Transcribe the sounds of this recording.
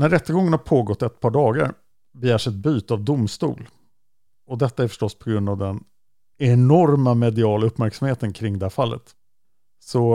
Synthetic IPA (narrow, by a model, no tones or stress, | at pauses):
næɾɛt̪ːəɡɔŋːənhapʰoːɡɔt̪ːɛt̪̚pʰɑːɖɑːɡa̰ɾ | bɛjæːʂɛt̪̚byːt̪avd̪ʊmst̪ṵːl | ɔd̪ɛt̪ːaæɾfœ̥ʂʈɔsːpʰɔɡɾɵnd̪avd̪ɛn | ɛnɔɾmamɛd̪ɪɑːlaɵpːmæɾksamheːt̪ənkʰɾɪŋːd̪ɛhæɾfalːə̰t̪ | sɔ